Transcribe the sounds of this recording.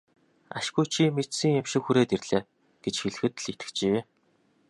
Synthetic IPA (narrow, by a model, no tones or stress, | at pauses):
a̰ʃɡujt͡ɕʰimet͡ɕsĭŋamʃɪ̆kxuɾeːt̪erɮeː | ɡ̥et͡ɕxiɮɘ̆xɘ̆t̪ɮit̪ɘ̥̆kt͡ɕi